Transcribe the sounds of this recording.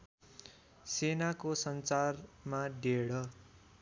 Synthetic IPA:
senakosʌnt͡sarmaɖeɽʌ

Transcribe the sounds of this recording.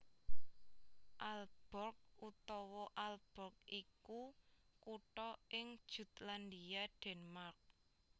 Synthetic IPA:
ʔalb̥ɔ̤rk̚ut̪ɔwɔʔalb̥ɔ̤rk̚ikukuʈɔɪŋd̥ʒ̥ṳt̪land̪ijaɖ̥ɛ̤nmark̚

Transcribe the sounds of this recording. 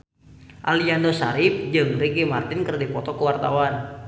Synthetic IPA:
ʔa̰liandosaɾɪp̚d͡ʒɨŋrɛɡemart̪ɪnkərdipɔt̪ɔkəwart̪a̰wan

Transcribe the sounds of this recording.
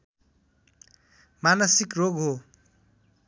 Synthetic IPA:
manʌsikroɡɦo

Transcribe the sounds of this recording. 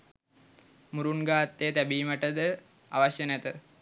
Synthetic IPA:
muɾunɡaːt̪ːet̪æbiːməʈəd̪ə | a̰ʋaɕjənat̪ə

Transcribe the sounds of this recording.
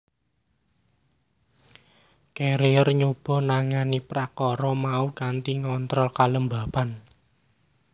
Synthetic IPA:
keɾeərɲub̥ɔ̤naŋanipɾakɔɾɔmaukant̪iŋɔnt̪ɾɔlkaləmbapan

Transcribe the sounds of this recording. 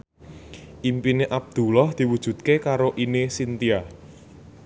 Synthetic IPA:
ʔimpineʔab̚d̪̥ṳlɔhd̪̥i̤wud̥ʒ̥ṳt̪̚kekaɾoʔinesint̪ia

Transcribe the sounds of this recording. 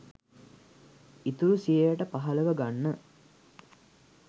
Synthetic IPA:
it̪uɾusijejəʈəpaɦɐləʋəɡanːə

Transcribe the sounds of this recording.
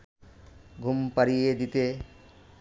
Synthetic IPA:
ɡʱumpaɾijed̪it̪e

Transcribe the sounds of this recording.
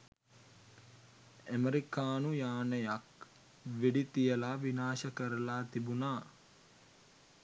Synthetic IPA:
æmeɾikaːnujaːnəjak | ʋeɖit̪ijəlaʋinaːʃəkəɾəlaːt̪ibunaː

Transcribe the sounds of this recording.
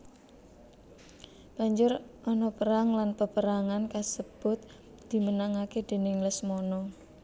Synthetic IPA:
b̥a̤ɲd͡ʒʊrʔɔnɔpəɾaŋlanpəpəɾaŋankasəb̥ʊt̪̚ | d̪̥i̤mənaŋaked̪̥e̤nɪŋləsmɔnɔ

